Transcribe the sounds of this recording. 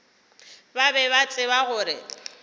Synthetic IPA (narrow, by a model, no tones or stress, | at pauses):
babɛbat͡sʼɪβaɣʊːɾɪ̰